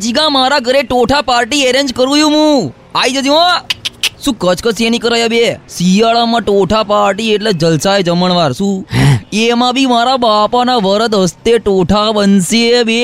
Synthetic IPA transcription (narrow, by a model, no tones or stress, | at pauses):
t͡ʃiɡãmaɾaɡəɾeʈoʈʰapaɾʈieɾend͡ʒkəɾujũɦũ | aid͡ʒad͡ʒĩãsũːkət͡ʃʰkət͡ʃʰenikəɾajabesijaɭamãʈoʈʰapaɾʈieʈled͡ʒəlsaed͡ʒəməɳʋaɾsũemãbʱimaɾabapanaʋəɾət̪ɦəst̪eʈoʈʰabənsiebe